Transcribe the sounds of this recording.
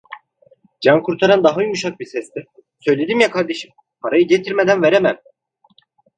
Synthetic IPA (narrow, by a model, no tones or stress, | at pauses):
d͡ʒankʰuɾt̪ʰaɾand̪aɦajuʃ̬ak̚bisɛst̪i | sø̞jlʲe̞d̪imjakʰaɾd̪e̞ʃi̥m | pʰaɾajɯɟet̪ʰiɾmed̪ænveɾemæn